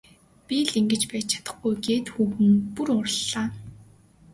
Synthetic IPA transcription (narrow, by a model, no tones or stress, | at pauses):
pʲiɮiŋɡɘ̆t͡ɕpæːt͡ɕ̚t͡ɕʰḁt̪ə̆χɡujɡeːt̪xuːɣɘ̆ŋpurʊrɮːaː